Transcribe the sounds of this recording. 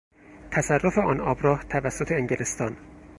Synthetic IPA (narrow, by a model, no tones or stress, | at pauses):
t̪ʰæsærːofe̞ɒːnɒːbɾɒːht̪ʰævæsːot̪ʰeːŋɟelest̪ɒːn